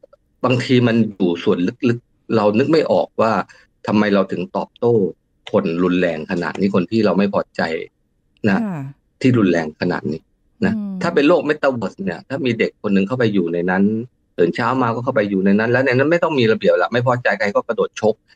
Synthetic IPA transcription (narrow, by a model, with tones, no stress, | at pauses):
baː˧ŋt̪ʰiː˧ma˧njuː˨˩su˨˩ənlɯ˦˥k̚lɯ˦˥k̚ | ɾa˧wnɯ˦˥k̚ma˥˩jʔɔ̰ː˨˩k̚waː˥˩ | t̪ʰa˧mːa˧jɾa˧wt̪ʰɯ˩˦ŋt̪ɔː˨˩p̚t̪oː˥˩ | kʰo˧nɾu˧nlɛː˧ŋkʰa˧na̰ː˨˩t̪̚niː˦˥˩kʰo˧nt̪ʰiː˥˩ɾa˧wma˥˩jpʰɔː˧˥t͡ɕa̰˧j | na˦˥ | t̪ʰiː˥˩ɾu˧nlɛː˧ŋkʰa˧na̰ː˨˩t̪̚niː˦˥ | na˦˥t̪ʰaː˥˩pe˧nloː˥˩k̚me˦˥t̪ːa˧wo˨˩sni˥˩ɐt̪ʰaː˥˩miː˧de˨˩kʰːo˧nːɯ˨˩ŋkʰa˥˩wpa˧jːuː˨˩na˧jna˦˥n | t̪ɤː˩˦nt͡ɕʰaː˦˥wmaː˧kɔː˥˩kʰa˥˩wpa˧jːuː˨˩na˧jna˦˥nlɛː˦˥wna˧jna˦˥nma˥˩jt̪ɔ˥˩ŋmiː˧ɾa˧bi˨˩əp̚lɛ̰˨˩ma˥˩jpʰɔː˧˥t͡ɕa˧jkʰa˧jkɔː˥˩ka˧doː˨˩t̪̚t͡ɕʰo˦˥p̚